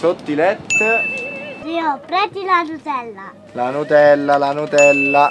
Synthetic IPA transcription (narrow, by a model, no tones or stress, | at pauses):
sot̪ːilɛt̪ː | riɔpɾɛt̪ilanut̪ɛlːa | lanut̪ɛlːalanut̪ɛlːa